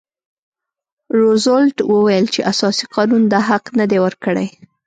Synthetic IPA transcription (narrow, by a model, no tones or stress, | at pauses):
ɾozolʈwəwajəlt͡ʃeʔasɑsiqɑnund̪aɦaqnəd̪ewəɾkəɽej